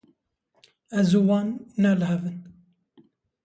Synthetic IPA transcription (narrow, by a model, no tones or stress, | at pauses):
ɛzuwɑːnːɛlɦɛvɨn